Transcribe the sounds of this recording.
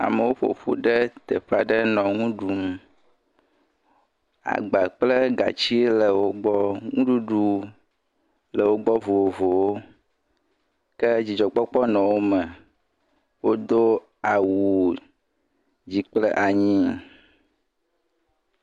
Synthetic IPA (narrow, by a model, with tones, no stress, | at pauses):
a̰˨mə˨wo˦ɸo̰˨ɸṵ˦ɖə˦t̪ə˨ɸa˨ɖə˦nɔ̃˨ŋũ˦ɖu˨m˨ | a̰˨ɡ͡ba˨k͡plə˦ɡa̰˨t͡ɕi˦e˦lə˨wo˦ɡ͡bɔ˦ŋũ˦ɖu˦ɖu˦ | lə˨wo˦ɡ͡bɔ˦vo˨o˨vo˨wo˦ | kə˦d͡ʑi˨d͡ʒɔ˨k͡pɔ˦k͡pɔ˦nɔ̃˨wo˦mə˨ | wo˦d̪o˦ | a˨wu˨ | d͡ʑi˨k͡plə̰˦ʔa˨ɲĩ˦˨